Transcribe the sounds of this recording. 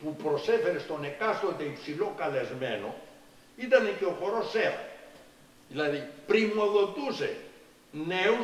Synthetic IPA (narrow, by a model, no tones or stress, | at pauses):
pupɾosefeɾest̪o̞ne̞kast̪ot̪eipsilokɐle̞zmḛno̞̰ | it̪ɐnik̪eofo̞ɾoseɾɐ̰ | ðilɐðipɾimo̞ðo̞t̪usḛ | neu